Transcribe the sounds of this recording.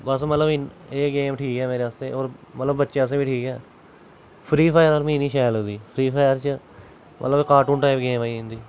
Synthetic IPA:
bəs̬mət̪ləbɪeːɡeːmʈʰiːkɛːmeːɾeaːst̪eːoːɾmət̪ləbbətːʃeːəs̬ãːbiːʈʰiːkɛː | pʰɾiːpʰaːjəɾoːɾmĩːniːʃaːjlõːd̪iːpʰɾiːpʰaːjəɾt͡ʃə | mʔə̰t̪ləbeːkaːʈũːnʈaːɪpɡeːmaːiɪ̃ːnd̪iː

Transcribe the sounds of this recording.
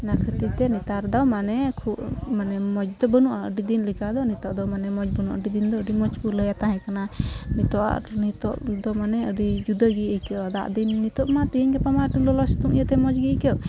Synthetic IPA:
nakʰət̪it̪ɛnit̪aɾd̪awmanɛkʰuʔmanɛmɔd͡ʒd̪ɔbənuʔaə̰ɖid̪inlikad̪ɔnit̪ɔʔd̪ɔmanɛmɔd͡ʒbənuʔa̰ɖid̪ind̪ɔəɖimɔd͡ʒuləjat̪ãɦɛ̃kananit̪ɔʔa̰nit̪ɔʔd̪ɔmanɛəɖid͡ʒud̪əɡiəkɛad̪a̰ʔd̪inːit̪ɔʔmat̪iɦiɲkɛpamaʈiŋlɔlɔst̪uŋʔjət̪ɛmɔd͡ʒɡikɛʔ

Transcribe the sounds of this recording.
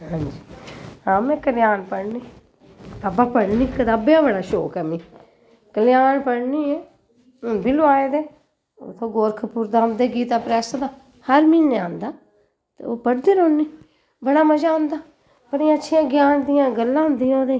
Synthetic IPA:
ɦãːnd͡ʒiːãːmẽːkəljaːnpəɽniː | aːbaːpəɽniːkəd̪aːbeãːbəɽaːʃo̰ːkɛːmiː | kəlɪjaːnpəɽniːeː | ʊnbiːlʊaːeːd̪eː | o̰t̪ʰːõːɡoːɾkʰəpuːɾd̪aːnd̪eːɡiːt̪aːpɾɛːsad̪aː | həɾmiːneãːnd̪aː | t̪ḛoːpəɽd̪əɾõːnːiː | bəɽaːməd͡ʒaːɦʊ̃nd̪aː | pəɾĩətːʃʰɪjãːɡjaːnd̪ɪjãːɡəlːãːɦʊ̃nd̪ijãoːd̪eː

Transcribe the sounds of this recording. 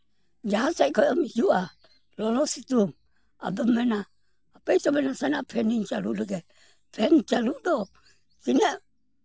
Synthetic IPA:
d͡ʒaɦasajkɔjɔmid͡ʒuʔa | lɔlɔsit̪um | a̰dɔmːɛnaː | pɛjtɔbɛnasanapʰɛniɲt͡ʃalṵʔləɡɛt | pʰɛnt͡ʃaluʔdɔ | kinɛʔ

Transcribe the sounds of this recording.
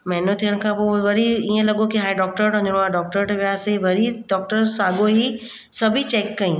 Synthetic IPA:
mɐɦɪnot̪ʰijəɽ̃kʰãːpoːʋɐɾiiːə̃lɐɠokiɦaːiɖɔːk̚ʈəɾpɐ̃d͡ʑɽ̃oaːɖɔːk̚ʈəɾʈʋijaːseʋɐɾiɖɔːk̚ʈəɾsaːɠoɦi | sɐbʱit͡ɕeːkːɐĩː

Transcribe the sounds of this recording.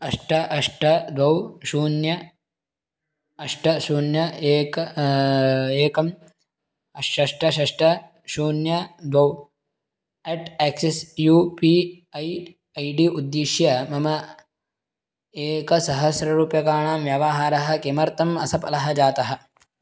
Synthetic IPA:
ɐʂʈɐʔɐʂʈɐd̪ʋɐwʃuːnjɐ | ɐʂʈɐʃuːnjɐeːkɐ | eːkɐm | ɐʃɐʂʈɐʃɐʂʈɐ | ʃuːnjɐd̪ʋɐw | eʈeːksesjuːpi | ɐj | ɐjɖiʔud̪ːiʃjɐmɐmɐ | eːkɐsɐɦɐsɾɐɾuːpjɐkaːɳaːmʋjɐʋɐɦaːɾɐɦɐ̆kemɐɾt̪ɐmɐsɐpɐ̰lɐɦɐd͡ʒaːt̪ɐɦɐ̆

